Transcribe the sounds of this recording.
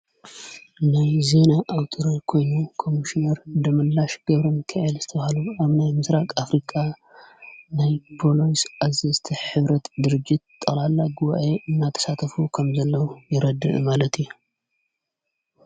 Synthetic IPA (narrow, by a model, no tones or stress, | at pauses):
najze̞naʔːwt̪ʰʼɨɾakʰo̞jnukʰo̞miʃinɐɾd̪ɐmɐlːaʃɡ̥ɐβɾɨnkʰɐʕilz̥ɨt̪ʰɐβahaluaβnajmɨsɾakʼafɾikʼa | najpʰolojsʔazezt̪ʰiħɨβɾɐt̪d̪ɨɾɨd͡ʒːɪt̪̚t̪ʼːɐlalːaɡuβa̰ʔeʔɨnːat̪ʰɐ̥sat̪ʰɐfukʰɐmzɐlːɐwujɪɾɐd̪ɨ̰ʔmalɐt̪ʰiju